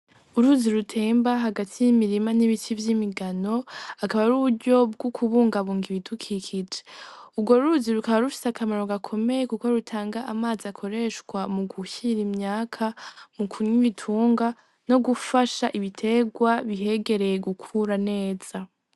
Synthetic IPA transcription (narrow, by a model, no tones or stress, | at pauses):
uɾuziɾutʰe̞ːmbaɦaɡatʰijimiɾimaniβitivjimiɡano̞akaβaɾuβuɾɟo̞b̚ɡokʰuβuːŋɡaβuːŋɡiβidukʰikʰid͡ʒeubɡo̞ɾuɾuziɾukaβaɾufi̥sakʰamaɾo̞ɡakʰo̞me̞jekuko̞ɾutʰaːŋɡaʔamaːziakʰo̞ɾe̞ʃkwamuɡuçiɾimɲaːkʰamukʰuɲiitʰuːŋɡa | no̞ɡufaʃaʔiβitʰe̞ɡwaβiɦe̞ɡe̞ɾe̞jeɡukʰuɾane̞ːz̥a